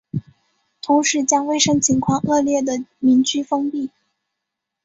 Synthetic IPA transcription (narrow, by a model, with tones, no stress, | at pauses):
t̪ʰʊ˧˥ŋʂɻ̩˧˥t͡ɕjɑ˥ŋwe˥˩ɪʂɤ˥ŋt͡ɕʰi˧˥ŋkʰwɑ˥˧ŋʔɤ˥˧ljɛ˥˩d̪ə˩mi˧˥nt͡ɕʰy˥fɤ˥ŋpi˥˩